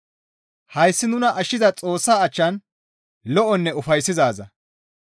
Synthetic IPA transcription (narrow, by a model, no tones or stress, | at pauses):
hɐjsːɪnʊnɐʔɐʃɪzɐt͡sʼo̞ːsːaːɐt͡ʃːɐn | lɔʔɔnːɛʊfɐjsːɪzaːzɐ